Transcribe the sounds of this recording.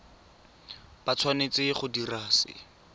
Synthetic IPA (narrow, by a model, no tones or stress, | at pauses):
pat͡sʰwanet͡sɪχʊdiraːsɪ̰